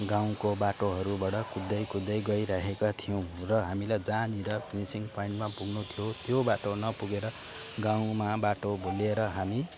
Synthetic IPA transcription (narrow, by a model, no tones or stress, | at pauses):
ɡãw̃kobaʈoɦʌɾubaɽʌkud̪ːʌjkud̪ːʌjɡʌiɾaɦekat̪ʰijʌw̃rʌɦamilajd͡zaniɾʌpʰinisiŋpʰaiɳʈmapuɡnut̪ʰijot̪jobaʈonʌpuɡeɾʌ | ɡaw̃mabaʈoboleɾʌɦami